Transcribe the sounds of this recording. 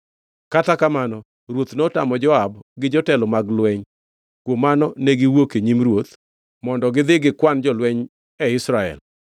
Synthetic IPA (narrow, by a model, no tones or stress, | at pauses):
katakamanɔ | ɾwot̪nota̰mɔd͡ʒɔabɡɪd͡ʒɔtɛlɔmaɡlwɛɲ | kwomanɔneɡɪwokeɲimɾwot̪ | mɔndɔɡɪd̪ɪɡɪkwand͡ʒɔlwɛɲ | ɛɪsɾaɛ̰l